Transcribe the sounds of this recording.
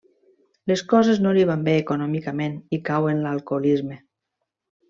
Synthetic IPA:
leskɔzeznoliβ̞ambeːkonɔmikamenikawenlalˠkolizme

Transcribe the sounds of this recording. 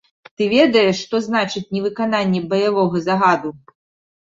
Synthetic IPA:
t̪ɨvʲɛd̪ɐjɛʂːt̪ɔznat͡ʂɨt͡sʲnʲɛvɨkananʲːɛbɐjavɔɣɐzaɣad̪u

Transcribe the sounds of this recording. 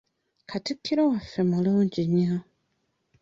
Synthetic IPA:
kʰatikʰːiɾowafːe̞muluːɲɟiɲːa

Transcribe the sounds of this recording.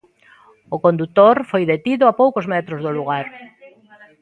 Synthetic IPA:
okond̪ut̪oɾfojðet̪iðʊapowkozmɛt̪ɾozðoluɣaɾ

